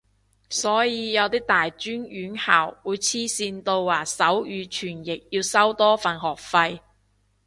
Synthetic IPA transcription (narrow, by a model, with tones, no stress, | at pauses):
sɔː˨˥jiː˨˧jɐ˨˧wt̪iː˥t̪aː˨jt͡ʃyː˥njyː˨˥nhaː˨˩wwuː˨˧jt͡sʰiː˥siː˧nt̪o˧wːaː˨˩sɐ˨˥wjyː˨˧t͡ʃʰyː˨˩njɪ˨k̚jiː˧wsɐ˥wt̪ɔː˥faː˨˩nhɔː˨k̚fɐ˧j